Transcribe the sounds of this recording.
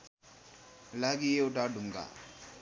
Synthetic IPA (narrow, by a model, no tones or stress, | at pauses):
laɡieʊʈaɖʱuŋɡa̰